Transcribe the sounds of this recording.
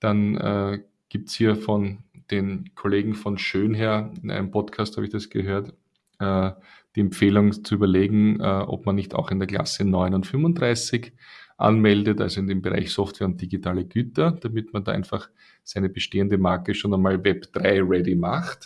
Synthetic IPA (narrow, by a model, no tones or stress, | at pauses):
d̥anɛ̰ː | ɡ̥iːp̚tshiːɐfɔnd̥eːnkʰoleːɡŋ̩fɔnʃøːnɦeːɐɪnʔæ̰ɪnəmpʰɔtkʰaːsthaːbɪçd̥asɡ̥əɦøːɐt | ɛː | d̥iːɛmpp͡feːlʊŋt͡suyːbɐleːɡŋ̩ɛʔɔ̰pmanːɪçta̰ʊxɪndeɐkla̰sənɔʏnʊntfʏmvʊnd̥ʁaɪsɪçʔa̰nmɛldəta̰lzoɪndeːmbəʁa̰ɪçsɔftv̥ɛːɐʊnt̚d̥iɡitʰaːləɡ̥yːtɐd̥amɪtmanda̰ːʔæ̰ɪnfaχ | sæɪnəb̥əʃteːəndəmaɐkəʃoːnɛnmaːlvɛpd̥ʁaɪʁɛdimaχt